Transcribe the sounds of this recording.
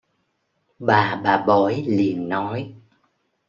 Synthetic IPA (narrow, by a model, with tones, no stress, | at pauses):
ɓaː˨˩ɓaː˨˩ɓɔ˨˦jli˨˩ənːɔ˨˦j